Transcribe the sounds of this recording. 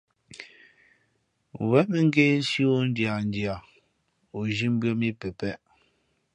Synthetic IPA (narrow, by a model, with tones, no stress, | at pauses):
wɛ˦mɛ˨ŋ̩˦ɡe˦ʃi˦wo˦n˦dja˨n˦dja˨ | o˨ʒi˦m˦bɰə˦mi˦pɛ˨pɛ˦ʔ